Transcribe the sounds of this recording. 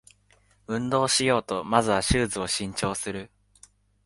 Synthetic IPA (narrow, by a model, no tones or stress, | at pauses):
ɯ̟̃nd̪o̞ːɕijo̞ːt̪o̞mazɨβaɕɨːzɨo̞ɕĩɲ̟t͡ɕo̞ːsɨɾɯ̟